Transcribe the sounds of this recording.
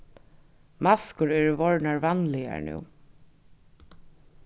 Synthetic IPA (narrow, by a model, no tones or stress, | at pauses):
maskʊɹɛːɹəvɔɹnaɹvanlɪja̰ɹnṵː